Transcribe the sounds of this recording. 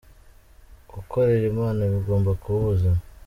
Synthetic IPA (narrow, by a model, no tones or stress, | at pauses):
ɡukʰo̞ɾeɾemaːnaβiɡoːmbakuβuza